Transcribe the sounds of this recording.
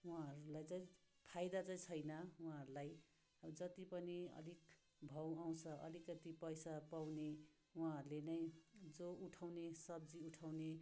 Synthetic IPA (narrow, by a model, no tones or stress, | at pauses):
wãʌɾulajt͡saĩ | pʰajd̪at͡saĩt͡sʰʌjnʌwũãɦʌɾulaj | d͡zʌt̪ipʌniʌ̰lik | bʱʌw̃aw̃t͡sʰʌʔʌ̰likʌt̪ipʌjsapawne | wãɦʌɾulenʌj̃d͡zouʈʰawnesʌbd͡ziuʈʰawne